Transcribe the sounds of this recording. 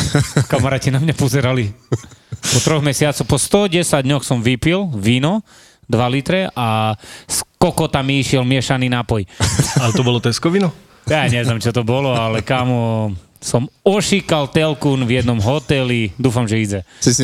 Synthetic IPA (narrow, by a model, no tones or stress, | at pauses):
fkamaɾaːcinamɲapɔzɛɾali | pɔt̪ɾɔɣmɛsɪat͡sɔxpɔst̪ɔɟɛsaɟd̪ɲɔxsɔmʋipilʋiːnɔ | d̪ʋalit̪ɾɛʔaskɔkɔt̪amiiʃɪɛlmɪɛʃaniːnaːpɔjalɛt̪ɔbɔlɔt̪ɛskɔʋinɔ | jaaɲɛznamt͡ʃɔt̪ɔbɔlɔalɛkamɔ | sɔmɔʃikalt̪ɛlkunvjɛd̪nɔmɦɔt̪ɛlid̪uːfamʒɛid͡zɛsis